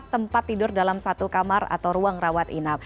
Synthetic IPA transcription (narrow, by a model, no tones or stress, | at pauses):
t̪ːəmpat̪ːidʊrdalamsat̪ukamara̰t̪awɾuaŋrawat̪inap̚